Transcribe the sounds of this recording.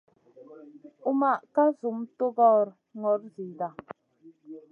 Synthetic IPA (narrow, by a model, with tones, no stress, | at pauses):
u˦ma˨ʔka˦zu˨mto˦ɡɔː˦˨ɾ | ŋɔ˨˦ɾzi˨da˨